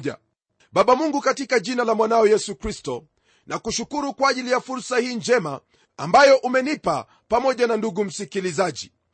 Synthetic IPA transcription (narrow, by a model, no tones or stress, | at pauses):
ʄa̰ | ɓaɓamuŋɡukatikaʄinalamwanaɔjɛsukɾistɔ | nʔakuʃukuɾukwaaːʄilijafuɾsahiːnd͡ʒɛma̰ː | mbajɔʔumɛnipa̰ | pamɔʄananduɡum̩sikilizaʄi